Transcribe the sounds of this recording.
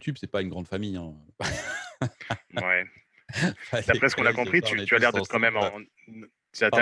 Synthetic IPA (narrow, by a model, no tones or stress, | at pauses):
t̪ʰybsɛpaynɡʁɑ̃d̪famijɛ̃ | wɛ | d̪apχɛsə̥kɔ̃nakɔ̃pχit̪yt̪yalɛʁd̪ɛ̃kɑ̃mɛmɑ̃ | t̪yat̪ɛ